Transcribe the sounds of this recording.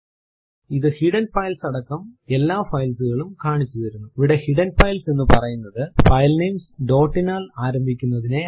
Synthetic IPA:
iðɨhiɖɐnfɐjlsɐɽɐkːɐme̞lːaːfɐjlsuɣɐɭumkaːɳit͡ɕːuðɐɾunːuiʋiɽehiɽɐnfɐjlsenːɨpɐrɐjunːɐðɨfɐjlneːmsɖo̞ːʈːinaːlaːɾɐmbʱikʲːunːɐðine

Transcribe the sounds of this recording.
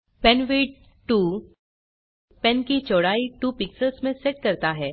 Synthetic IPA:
pɛnʋeːɖ | ʈuː | pɛ̃nkit͡ʃɔːɽaːiʈuːpɪksəɾsmẽseʈ̚kɐɾt̪aɦɛː

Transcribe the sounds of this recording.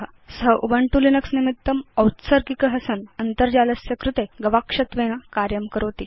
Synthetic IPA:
səʔubəɳʈulinəksnimit̪ːəməwt̪səɾkikəɦəsənənt̪əɾd͡ʑaləsjəkɾut̪eɡəʋakʂɐt̪ʋeñakaɾjəmkəɾot̪i

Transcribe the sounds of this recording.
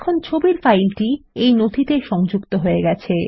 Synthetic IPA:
kʰont͡ɕʰobiɾfajlʈiejnod̪ʱit̪eʃɔŋd͡ʑukt̪oɦoeɡɛt͡ɕʰe

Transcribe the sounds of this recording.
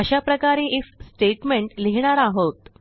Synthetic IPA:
əɕapɾəkaɾẽʔeksʈeʈmeɳʈleɦɳ̃aɾaɦot̪

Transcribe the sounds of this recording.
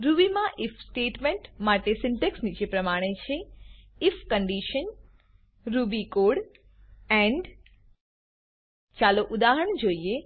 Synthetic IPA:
ɾubimãʔɪfʰsʈeʈmẽɳʈmaʈesɪɳʈeksnid͡ʒepɾəmaɽ̃et͡ʃʰeɪfʰkəɳɖiʃən | ɾubikoɽ | ɛ̃ɳɖ | t͡ʃaloʔud̪aɦəɳ̃d͡ʒoie

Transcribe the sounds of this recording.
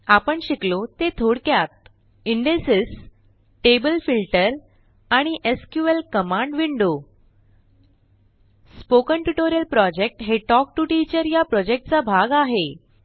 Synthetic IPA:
apəɳɕiklot̪et̪ʰoɽkjat̪̚ | iɳɖesis | ʈebəlfilʈəɾ | aɽ̃iʔeskjuʋelkəmãɳɖʋiɳɖo | spokəɳʈuʈoɾijəlpɾɔd͡ʑek̚ʈɦeʈɔk̚ʈuʈit͡ɕəɾjapɾɔd͡ʑek̚ʈ̚t͡sabʱaɡaɦe

